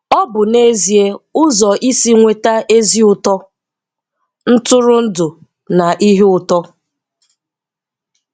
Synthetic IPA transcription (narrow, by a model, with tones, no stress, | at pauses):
ɔ˦bʊ˨ne˦zi˨e˦ʊ˦zɔ˨ʔi˦si˦ŋʷe˦ta˦e˦zi˦ʊ˨tɔ˦ | n̩˦tʊ˦ɾʊ˦n̩˦dʊ˨ | na˨ʔi˦ɦi˦ʊ˨tɔ˦